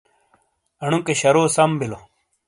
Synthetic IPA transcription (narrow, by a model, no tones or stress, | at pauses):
ɐɳ̃ukeɕɐɾoːsɐmbilo